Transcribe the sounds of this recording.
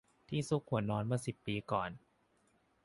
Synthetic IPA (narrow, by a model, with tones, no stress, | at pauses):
t̪ʰiː˥˩su˦˥kʰːu˨˩˦ənːɔː˧˥nmɯː˥˩ɐsi˨˩pːiː˧kɔː˨˩n